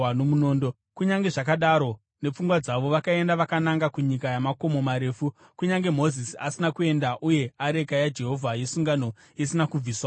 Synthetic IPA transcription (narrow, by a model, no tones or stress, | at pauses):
no̞muno̞ːndo | kuɲaŋɡe̞ʐak̬aɗaɾo̞ | ne̞p͡fuŋɡwad͡zaʋo̞ʋakae̞ndaʋakanaŋɡakuɲikajamako̞mo̞maɾe̞ːfu | kuɲaŋɡe̞mo̞zisiasinakue̞ndaʔuje̞aɾe̞kajad͡ʒe̞ɦo̞vʱajesuŋɡano̞ | isinakub͡viːswa